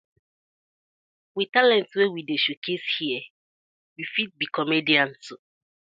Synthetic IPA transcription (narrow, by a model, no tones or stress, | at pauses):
witalɛ̃ntswewideʃukʰeshiɛ | wifit̚bikʰɔmediãnsʊ